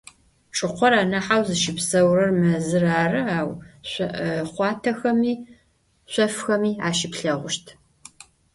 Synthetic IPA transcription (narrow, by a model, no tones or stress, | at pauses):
ʈ͡ʂʼɨqʷɔɾaːnɐħawzɨʃɪpsɐwrɐrmɐzɨraːrɨaːwɕʷɐʔχʷɑːtʰɐxɐmiː | ɕʷɐfxɐmiːaːʃɪpɬɐʁʷʊʃtʰ